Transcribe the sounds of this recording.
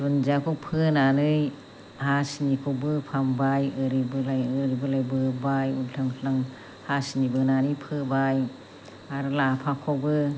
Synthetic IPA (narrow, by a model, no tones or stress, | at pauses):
dund͡ʒakʰupʰɯnanɯj | hasinikʰobɯpʰambajɯɾibɯlajɯɾibɯlajbɯbajuntʰɯŋʰɬaŋ | hasinibɯnanɯpʰɯbaj | aɾlapʰakʰobɯ